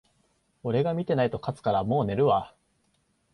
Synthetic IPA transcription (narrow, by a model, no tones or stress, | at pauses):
o̞ɾe̞ɡamʲit̪e̞nait̪o̞kat͡sɨ̥kaɾamo̞ːne̞ɾɯ̟βa